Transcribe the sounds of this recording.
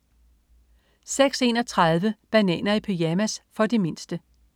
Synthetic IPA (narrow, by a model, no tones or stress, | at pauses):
seɡ̥se̝̰ːnɒ̽t͡sʰʁɑð̞ˠʋəb̥ænɛ̰ːnɐipʰejæmæsfɒ̽d̥e̝me̝n̰sd̥ə